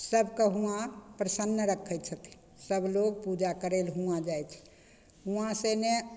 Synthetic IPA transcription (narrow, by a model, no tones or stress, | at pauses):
səbʱkeɦũãpɾəsənːəɾəkʰːəj̪t͡ʃʰət̪ʰi̥ | səbʱloɡ̚pud͡ʒakəɾelɦũãd͡ʒajt͡ʃʰɛ̥ | ɦũãsene